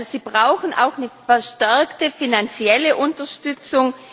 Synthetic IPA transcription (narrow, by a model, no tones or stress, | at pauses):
oziːbʁaʊxn̩ʔa̰ʊxnəfɛɐʃtɛɐktəfinant͡sjɛləʔʊntɐʃtʏt͡sʊŋ